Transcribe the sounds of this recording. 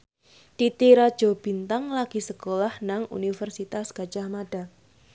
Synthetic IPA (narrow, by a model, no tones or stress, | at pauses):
t̪it̪iɾad̥ʒ̥o̤b̥i̤nt̪aŋlaɡ̥i̤səkolahnaŋṵnifərsit̪asɡ̥at͡ʃahmad̥a